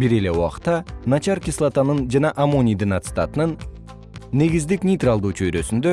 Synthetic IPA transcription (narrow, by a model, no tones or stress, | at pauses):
biɾe̞le̞uɑ̰qt̪ːɑnat͡ʃɑɾkʲislˠat̪anɯnd͡ʒɑnɑʔamonʲijd̪inat̪sɨ̥t̪at̪ɯnɯnː | e̞ɡizd̪iknʲijt̪ralˠd̪uːt͡ʃʰø̞jɾø̞synd̪ø